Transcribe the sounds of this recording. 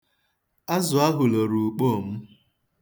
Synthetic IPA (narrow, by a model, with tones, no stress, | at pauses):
a˦zʊ˨a˦ɦʊ˨lo˨ɾu˨k͡po˦˨m̩˦